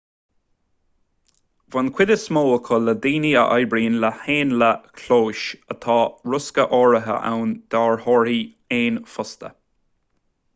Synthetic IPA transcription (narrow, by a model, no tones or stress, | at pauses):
vankʰwɪd̪əsmoːəkʰələd̪iːniə̰ʔajbɾiːnləheːnləkʰloːʃət̪ʰɑːɹʊskəʔɔːɹəɦə̰ʔa̰wnd̪̥aːɹhɔɹi | eːnfʊst̪ə̰